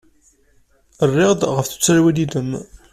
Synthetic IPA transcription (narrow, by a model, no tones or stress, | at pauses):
ərˤːɪʁd̪ʁəfθu̥t͡sːæɾwid̪id̪əm